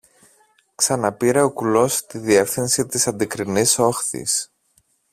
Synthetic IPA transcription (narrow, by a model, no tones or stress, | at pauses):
ksɐnɐpiɾeo̞kulo̞st̪iðie̞fθinsit̪isɐnd̪ikɾiniso̞xθḭs